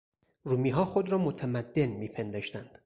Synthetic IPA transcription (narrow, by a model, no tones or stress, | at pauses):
ruːmiːɦɒːxod̪ɾɒːmot̪ʰæmæd̪ːe̞nmiːpʰend̪ɒːʃt̪ænd̪̥